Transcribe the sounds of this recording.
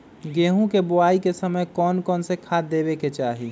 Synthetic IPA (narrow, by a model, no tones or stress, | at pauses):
ɡeːɦũkebʊaːikesəməjkɔːnkɔːnsekʰaːd̪eːbeket͡ʃaːɦi